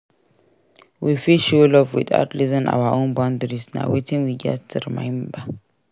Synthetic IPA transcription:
wifiʃolɔvwḭda̰ʊtlizɪ̃nʔa̰waʔõnbãʊ̃ndəɹisna̰wetɪ̃nwiɡɛ̰tʰːuɾimã̰ɪ̃nba

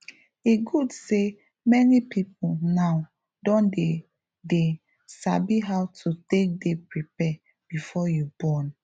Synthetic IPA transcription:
eɡudse | mɛnipip̚ulnaʊ | dɔ̃nde | de | sabiɦawtʰutek̚depɹipɛ | b̥ifɔjubɔn

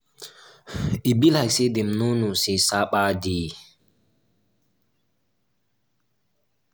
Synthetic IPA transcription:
ʔibilhajsedɛmnunusesaɓadi

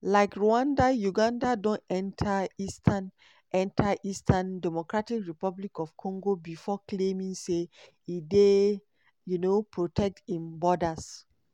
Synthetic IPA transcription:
laɪkɹuãndajuɡãndadõnɛ̃ntʰaistʰan | ʔɛ̃ntʰaʔistʰãndɛmɔkɹatikɹipablikɔfkʰɔ̃ŋɡobifɔklẽmĩŋse | ide | junopɹotʰɛk̚tĩmbɔdas

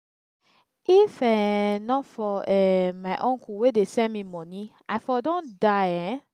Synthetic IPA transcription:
ifɛnɔ̃fɔɛmaʔɔ̃ŋkʰuwedesɛmĩmɔ̃nĩ | aɪfɔdõndajɛ

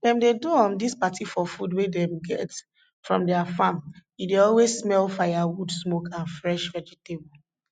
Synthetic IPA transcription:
dɛ̃mdeduɔ̃mdispatʰifɔfudwedɛ̃mɡɛt | fɹɔ̃mdɛafãmideɔlwezsmɛlfajawudsmokʰãnfɹɛʃvɛd͡ʒɛtebɔ

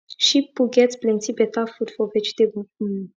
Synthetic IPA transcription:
ʃipuɡʲet̪sʲplinsipet̪afud̪fovɛt͡ʃd̪e

